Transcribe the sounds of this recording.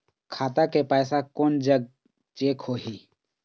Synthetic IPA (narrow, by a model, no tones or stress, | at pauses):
kʰaːt̪akepɛːsakoːnd͡ʒəɡ̚ | t͡ʃeːkhoːɦiː